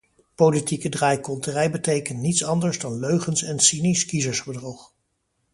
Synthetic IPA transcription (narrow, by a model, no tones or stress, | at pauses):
powlitikədraːjkɔlˠtərɛjbətejkəntnitsɑndəɹzdɑnløɥχənsɛnsiniskizəɹzbədrɔχ